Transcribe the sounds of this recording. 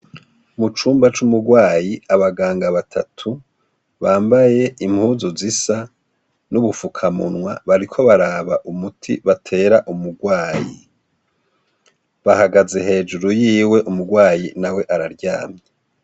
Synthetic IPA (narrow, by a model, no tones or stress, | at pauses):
mut͡ʃuːmbat͡ʃumuɡwaːjiaβaɡaːŋɡaβatʰa̰tʰu | βaːmbaje̞im̥huːzuzisa | nuβufukʰamṵnwaβaɾikʰo̞βaɾaːβaʔumutʰḭβatʰe̞ːɾaʔumuɡwaːjḭ | βahaɡaze̞he̞ːd͡ʒuɾujiːwe̞ʔumuɡwaːjinawe̞ʔaɾaɾɟaːmɲe